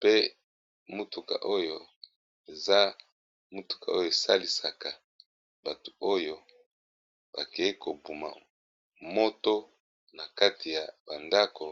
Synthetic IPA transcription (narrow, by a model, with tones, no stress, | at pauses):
pe˦ | mu˦tu˨ka̰˨ʔo˦jo˦ | e˨za˦ | mu˦tu̥˨ka̰˨o˦jo˨e˨sa˦li˨sa˨ka˨ | ba˨tu̥˨o˦jo˦ | b̥a˨ke˨˦ko˨bu˨ma̰˨ | mo˦to˦ | na˨ka˦ti˨ja˨ba˨nda˦ko˨